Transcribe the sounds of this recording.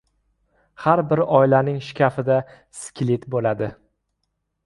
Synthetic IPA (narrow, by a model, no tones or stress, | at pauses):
haɾbɪɾɒɪlanɪŋʃɪ̥kʲʰafɪd̪a | skʲlɪt̪bolad̪ɪ